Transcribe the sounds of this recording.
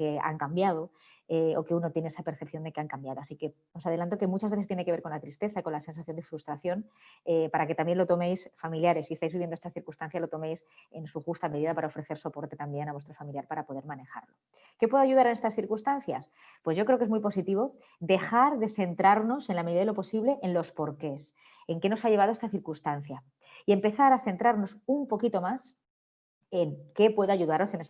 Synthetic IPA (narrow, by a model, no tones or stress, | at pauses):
kea̰ŋkambjað̞o̞ | eo̰ke̞uno̞t̪jeneesape̞ɾθep̚θjo̞nd̪e̞keaŋkambjaðo̞asike̞ | o̞sað̞e̞lant̪̬o̞ke̞mut͡ʃazβe̞θest̪jeneke̞βe̞ɾko̞nlat̪ɾist̪e̞θaiko̞nlase̞nsaθjo̞nd̪efɾust̪ɾaθjo̞nepaɾake̞t̪ambje̞nlo̞t̪o̞mejsfamiljaɾe̞siest̪ajzβiβjend̪oest̪asθiɾkust̪anθjaslo̞t̪o̞me̞jse̞nsuxust̪ameðiðapaɾao̞fɾe̞θe̞ɾso̞po̞ɾt̪e̞t̪ambje̞naβwe̞st̪ɾofamiljaɾpaɾapo̞ðe̞ɾmane̞xa̰ɾlo̞ | ke̞pweðaʝuðaɾenest̪asθiɾkunst̪anθja̰s | pwe̞zʝo̞kɾeoke̞zmujpo̞sit̪iβ̞o̞ | d̪e̞xaɾðe̞θe̞nt̪ɾaɾno̞se̞nlame̞ðiðaðelo̞po̞siβle̞ʔenlo̞spo̞ɾke̞s | e̞ŋke̞no̞saʝe̞βaðoe̞st̪aθiɾkust̪anθja | ie̞mpe̞θaɾaθe̞nt̪ɾaɾno̞sumpo̞kit̪o̞mas | e̞ŋke̞pwe̞ðoaʝuðaɾo̞se̞nes